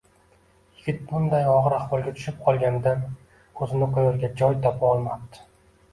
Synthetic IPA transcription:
jɪɡʲɪt̪̚bʊnd̪ajɒʁɨɾaχvɒlˠɡʲat̪ʰʊ̥ʃɪp̚qʰɒlˠɡʲand̪an | kʰɵzɪnɪqʰojɒɾɡʲad͡ʒɒjt̪ʰɒpʰaɒlˠmap̚t̪ɪ̥

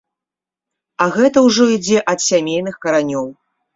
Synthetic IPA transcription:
ɐɣɛt̪ɐwʐɔid͡zʲɛʔɐt̪sʲamʲejnɨxkɐɾanʲɔw

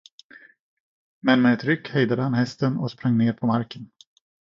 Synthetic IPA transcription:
mɛnmɛːt̪ɾʏkːhɛjd̪ad̪əhanhɛst̪ənɔ̰kspɾaŋːneːɾpʰɔmaɾkən

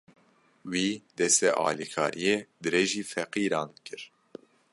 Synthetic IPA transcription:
wiːd̪ɛst̪ɛʔɑ̰ːlikʰɑ̰ːɾijeːd̪ɨɾeːʒiːfɛqiːɾɑ̃ːnkʰɨɾ

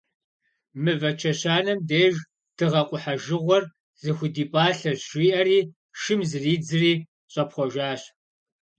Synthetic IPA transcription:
mɨvɐt͡ʃʰɐɕaːnɐmdeːʒ | d̥ɨʁɐqʷʼʊħaʒɨʁʷɔr | zɨxʷʊdiːpʼaːɬɐɕʷiːʔɐɾiː | ʃɨmzɨriːd͡zɨriː | ɕʼɐpχʷɔʒaːɕ

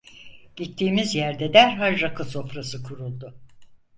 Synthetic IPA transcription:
ɟ̥it̪ʰːiːmizjæɾd̪ɛd̪æɾɦaʒɾakʰɯso̞fɾasɯkʰuɾulˠd̪ʊ

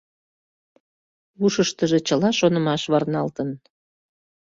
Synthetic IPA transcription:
uʃəʃt̪əʒet͡ɕəlɑʃonə̆mɑʃβɑrnɑlt̪ən

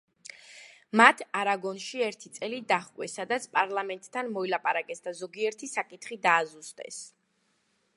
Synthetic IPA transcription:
mat̪ʰaɾaɡɔnʃiɛɾt̪ʰit̪sʼɛlid̪aχkʼwɛsad̪at̪sʰpʼaɾlˠamɛnt̪ʼt̪ʰːanmɔilapʼaɾakʼɛsd̪azɔɡiɛɾt̪ʰisakʼit̪ʰχid̪aːzust̪ʼɛ̰s

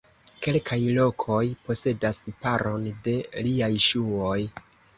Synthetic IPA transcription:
ke̞lkʰajlo̞kʰo̞jpo̞se̞daspaɾo̞nde̞liajʃuo̞j

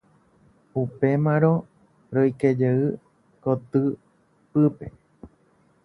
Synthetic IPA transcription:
upe̞mãɾo̞ | ɾojked͡ʒeɨ | kot̪ɨ | pɨpe̞

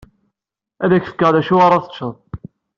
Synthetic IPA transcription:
æðæçθə̥kːəʁðæʃuɑɾˤɑθə̥t͡ʃːəðˤ

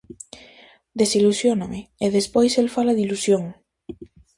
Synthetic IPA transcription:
d̪esilusjonameeðespojselfalaðilusjoŋ

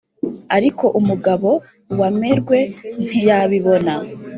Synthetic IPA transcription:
aɾiko̞ʔumuɡaβo̞ | wameɾɡwe̞n̥ijaβiβo̞na

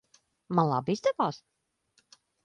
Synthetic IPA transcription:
manlˠa̰bizd̪ɛvaːs

